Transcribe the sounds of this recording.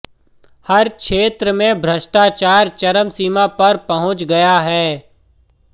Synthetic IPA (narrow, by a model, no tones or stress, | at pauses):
hɐɾkʃeːt̪ɾəmẽbʱɾɐʃʈaːt͡ʃaːɾt͡ʃɐɾəmsiːmapɐɾpɐɦʊ̃t͡ʃɡɐjaɦɛː